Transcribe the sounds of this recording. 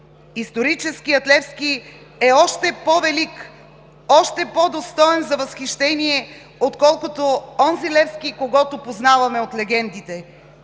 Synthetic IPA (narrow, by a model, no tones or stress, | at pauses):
ist̪oɾit͡ʃɛsk̟iɐt̪lɛfski | ɛɔʃt̪ɛpovɛlik | ɔʃt̪ɛpod̪ost̪ɔɛnzɐvɐsxiʃt̪ɛniɛ | ot̪kɔlˠkot̪oɔnzilɛfskikoɡɔt̪opoznavɐmɛot̪lɛɡɛnd̪it̪ɛ